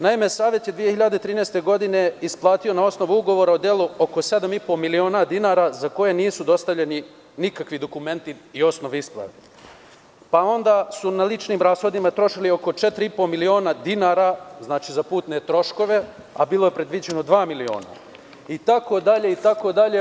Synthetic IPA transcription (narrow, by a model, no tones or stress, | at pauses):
naime̞saːʋe̞t̪je̞d̪ʋije̞çiʎad̪et̪ɾiːnest̪e̞ɡo̞d̪ine̞isplˠaːt̪io̞nao̞sno̞ʋuuɡo̞ʋo̞ɾaod̪jeːlˠuo̞ko̞se̞d̪amipo̞milio̞ːnad̪inaːɾazako̞je̞niːsud̪o̞st̪aʋʎeni | nikakʋid̪o̞kume̞nt̪iio̞sno̞ʋeisplˠa̰ʋḛ | pao̞nd̪aːsunalit͡ʃniːmɾaːsxo̞d̪imat̪ɾo̞ʃilio̞ko̞t͡ʃet̪ɾiipo̞milio̞ːnad̪inaːɾaznaːt͡ʃizapuːt̪net̪ɾo̞ʃko̞ʋe̞ | a̰biːlˠo̞je̞pɾe̞d̪ʋid͡ʑenod̪ʋaːmilio̞̰ːna̰ | it̪ako̞d̪aʎeit̪ako̞d̪aʎe